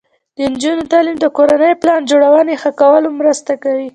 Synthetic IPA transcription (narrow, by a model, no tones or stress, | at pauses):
d̪ənd͡ʒunot̪ɑlimd̪əkoɾanəjplɑnd͡ʒoɽawənexəkawəlomɾəst̪akawi